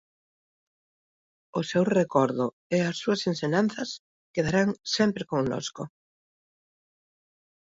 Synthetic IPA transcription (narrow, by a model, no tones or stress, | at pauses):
ʊsewrekɔɾðʊ | ɛasːuɐsenseɲãn̟θɐs | keðaɾaŋsɛmpɾɪkoŋno̰sko